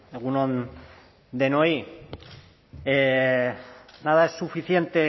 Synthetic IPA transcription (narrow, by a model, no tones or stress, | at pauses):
eɣ̞unon | d̪e̞no̞i | e | nað̞aesːufiθje̞nt̪e̞